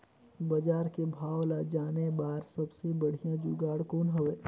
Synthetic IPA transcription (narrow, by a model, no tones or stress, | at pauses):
bɐd͡ʒaːɾkebʱaːwlad͡ʒaːnebaːɾsɐbsebɐɽ̤ijãd͡ʒuɡaːɽkoːnɦoʋeː